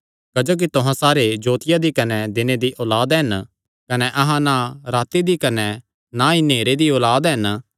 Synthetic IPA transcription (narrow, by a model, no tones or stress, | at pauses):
kɐd͡ʒoːk̬it̪ʊɦãsaːɾed͡ʒoːt̪ɪjad̪ikɐnɛd̪ɪned̪iʔɔːlaːd̪ɦɐn | kɐnɛʔɐɦãnãɾaːt̪id̪ikɐnɛ | naineːɾed̪iɔːlaːd̪ɦɐn